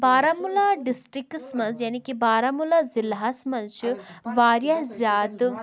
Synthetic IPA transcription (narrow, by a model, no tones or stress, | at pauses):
baːɾamulaːɖisʈɾiksmɐnzjaːnikibaːɾamulazilɦasmɐnʃi | ʋaːɾjɐzjaːd̪